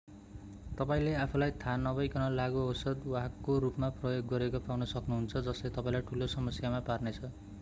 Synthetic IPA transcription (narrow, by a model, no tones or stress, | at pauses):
t̪ʌpaĩleapʰulajt̪ʰanʌbʌjkʌnʌlaɡuɦosʌd̪waɦakːorupmaprʌjoɡːʌɾekopawnʌsʌknuɦunt͡sʰʌd͡zʌslet̪ʌpaĩlajʈʰulosʌmʌsjamaparnet͡sʰʌ